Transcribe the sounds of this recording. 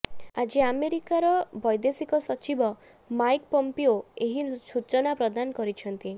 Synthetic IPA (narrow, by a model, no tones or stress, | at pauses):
ad͡ʒiameɾikaɾɔbɔjd̪esikɔsɔt͡ʃibɔ | majkpɔmpioeɦisut͡ʃɔnapɾɔd̪anɔkɔɾit͡ʃʰɔnt̪i